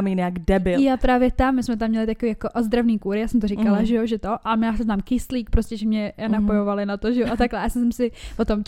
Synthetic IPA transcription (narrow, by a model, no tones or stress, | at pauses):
miɲɛaɡdɛbɪljapɾaːvjɛt̪amːɪsmɛt̪̬amːɲɛlɪt̪akoviːjakoʔozd̪ɾavniːkuːɾɪjaːsɛmt̪orɪkalaʒɛjoʒɛt̪o̞ʔamjaːsɛznaːmkɪsliːk̚pɾoscɛʒɛmɲɛnapo̞jovalɪnat̪oʒɛjoʔat̪aklɛasɛsɛmsɪvot̪o̞m